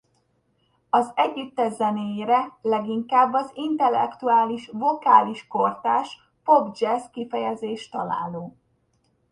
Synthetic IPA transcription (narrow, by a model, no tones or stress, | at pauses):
ɒzɛɟːyt̪ːɛzɛneːjeɾɛlɛɡiŋkaːbːɒzint̪ɛlːɛ̰kt̪uaːliʃvo̞kaːliʃko̞rt̪aːʃ | po̞bd͡ʒɛskifɛjɛzeːʃt̪ɒla̰ːloː